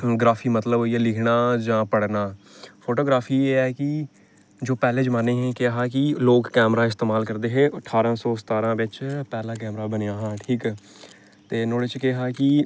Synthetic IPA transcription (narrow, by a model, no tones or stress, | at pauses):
ɡɾaːfʰiːmət̪ləbiɛːlɪkʰnaːd͡ʒãːpəɽnaː | pʰoːʈoːɡɾaːfʰiːeːɛːkɪ | d͡ʒoːpɛːleːd͡ʒmaneːɦɛ̃ːkeɦaːkɪloːkːɛːmɾaːɪst̪eːmaːlkəɾd̪eːɦeːʔəʈʰːaːɾãːsɔːsət̪aːɾãːʋɪt͡ʃpɛːlaːk̬ɛːmɾaːbənejaːɦãːʈʰiːkː | t̪eːnoːɽet͡ʃkeɦaːkɪ